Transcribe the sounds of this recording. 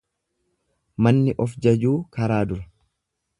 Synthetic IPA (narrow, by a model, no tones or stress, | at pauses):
mɐnːɪʔɔfd͡ʒɐd͡ʒuːkɐɾaːd̪ʊɾɐ̥